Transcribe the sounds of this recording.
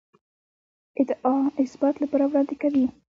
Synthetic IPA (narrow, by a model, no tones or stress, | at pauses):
ɪd̪ɑɪsbat̪lapɑɾawɾɑnd̪ekawi